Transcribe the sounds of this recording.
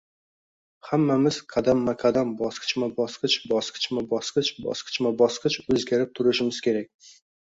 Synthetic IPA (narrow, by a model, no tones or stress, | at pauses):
hamːamɪz̥qʰɑd̪amːaqʰɑd̪ambɒsqʰɨ̥t͡ʃmabɒsqʰɨt͡ʃbɒsqʰɨ̥t͡ʃmabɒsqɨt͡ʃbɒ̰sqʰɨ̥t͡ʃmabɒsqɨt͡ʃɵzɡʲaɾɪp̚t̪ʰʊɾɪʃɪmɪz̥kʲe̞ɾak̚ʲ